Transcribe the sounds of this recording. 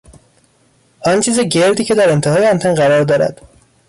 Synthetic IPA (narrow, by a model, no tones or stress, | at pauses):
ʔɒnt͡ʃʰiːzeɟe̞ɾd̪iːcʰe̞d̪æɾe̞nt̪ʰeɦɒːjeɒnt̪ʰenɢæɾɒːɾd̪ɒːɾæ̰d̪̥